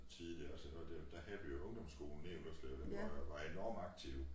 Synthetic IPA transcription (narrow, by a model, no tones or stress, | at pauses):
t͡sʰiðˠliɐɒsəʋɒd̥ed̥æɦæðˠʋijo̝ɔ̽ŋd̥ɒ̽msɡ̥o̝̰ːln̩nḛːʊl̩ɒslɛ̰ːʊd̥enɒɑʋɑ̈e̝nɒ̰ːmɑ̈ɡ̥̚t͡sʰiʊ